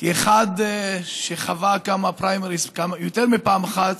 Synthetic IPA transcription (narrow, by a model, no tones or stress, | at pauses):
kieχad̪ʃeχavakamapɾajmeʁiskamajot̪eʁmipaːmaχat̪